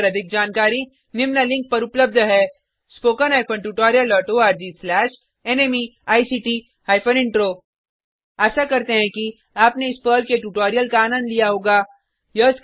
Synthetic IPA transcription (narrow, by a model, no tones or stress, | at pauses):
ɾɐd̪ʱɪk̚d͡ʒaːnkaːɾi | nɪmnalɪ̃ŋk̚pɐɾʊpləb̚d̪ʱɦɛː | spoːkənɦaːɪpʰəɳʈuʈɔːɾijəlːɔːʈoaːɾd͡ʒislɛːʃ | ɛneːmiaːisiːʈi | haːɪpʰənɪ̃ɳʈɾoː | aːsakɐɾt̪eɦɛ̃ki | aːpneɪspəːlkeʈuːʈɔːɾijəlkaːnə̃nd̪lijaɦoːɡaː | jɐsk